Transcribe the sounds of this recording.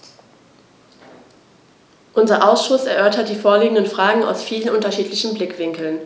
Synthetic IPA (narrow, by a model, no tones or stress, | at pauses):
ʔʊnzɐʔaʊsʃʊsɛɐʔœɐtɐt̚d̥iːfoːɐliːɡŋ̩dənfʁ̥aːɡŋ̩a̰ʊsfiːlənʔʊntɐʃiːtʰlɪçn̩blɪkv̥ɪŋkl̩n